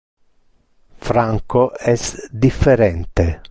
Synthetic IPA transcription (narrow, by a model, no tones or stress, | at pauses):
fɾaŋkoɛsd̪ifːeɾɛnt̪e